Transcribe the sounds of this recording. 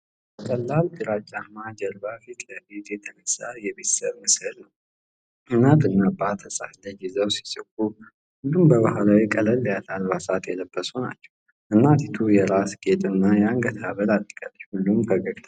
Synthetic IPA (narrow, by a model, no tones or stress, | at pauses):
bəkʼəlːald̪ɨɾat͡ʃʼːamad͡ʒɛɾbafit̪ʰləbet̪jɛt̪ʰənəsːajɛbet̪səβmɨsɨlnəw | ʔɨnːat̪ɨnːabat̪ʰəsʼafləd͡ʒizəwsi̥sʼɨkʼːu | hulːumbəβahlawikʼələlːjat̪ʰalβasat̪jɛləbːəsuna̰t͡ʃːɛ̥w | ʔɨnːat̪ʰit̪ʰujɛɾasɡet̪ʼɨnːajɛaŋɡət̪ʰaβəlat̪ʼːəkʼa̰lːət͡ʃːhulːumkʰəɡʼəkʼt̪ʰ